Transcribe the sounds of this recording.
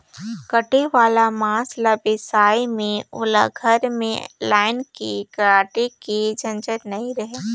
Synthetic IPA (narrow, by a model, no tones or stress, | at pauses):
kɐʈeʋaːlamãːslabɪsaːimẽʊla̰ɡʱɐɾmḛ̃laːɪnkikɐɾaːʈikid͡ʒɐ̃nt͡ʃəɾnɐĩɾɐɦeː